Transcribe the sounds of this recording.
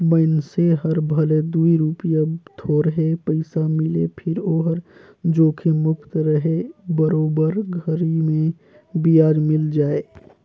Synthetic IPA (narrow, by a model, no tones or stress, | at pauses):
bəɪnseɦəɾbʱəled̪uiɾupijat̪ʰoɾəɦepəɪsamɪlḛpʰɪɾoːɦəɾ | d͡ʒoːkʰemʊkt̪ɾəɦebəɾoːbəɾɡʱəɾimẽ | bijaːɾmɪld͡ʒaːe